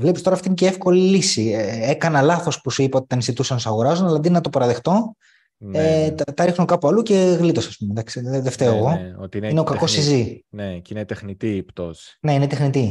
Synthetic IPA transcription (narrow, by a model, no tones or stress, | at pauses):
vlepist̪o̞ɾɐft̪ineceefko̞lilisieekɐnɐlɐθo̞spusuipɐot̪i̥t̪ɐnisit̪usɐnosɐɣoɾɐzonɐlɐd̪inenɐt̪opɐɾɐðext̪o̞ | neɐt̪ɐɾixnokɐpuɐluce̞ɣlit̪o̞sɐspumed̪ɐksiðeft̪e̞oeɣo̞ot̪iineokɐko̞sizinecinet̪exnit̪ipt̪osne̞inet̪exnit̪i